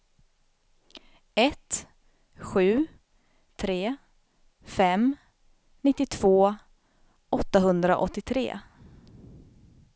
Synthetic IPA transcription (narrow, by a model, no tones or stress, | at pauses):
ɛt̪ | ɧʉ̟ː | t̪ʰɾeː | fɛm | nɪt̪ːɪt̪ʰv̥oː | ʔɔt̪ːaɦɵnd̪ɾa̰ʔɔt̪ːɪt̪ʰɾḛː